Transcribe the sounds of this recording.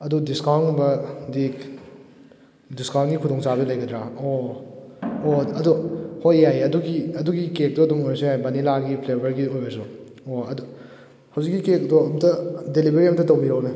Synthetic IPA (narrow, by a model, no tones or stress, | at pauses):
ɐdudiskaŋbɐdik | diskanɡikʰudɔŋsabelɐjɡɐdɾao | ɐduhojːajɐduɡiɐduɡikek̚doɐdumojsoajbɐnilaɡipʰlebɐɾɡiojbɐsu | oɐdu | hɐwzik̚ːikekdoɐmtʰɐdelibeɾiɐmtʰɐtɐwbiɾowne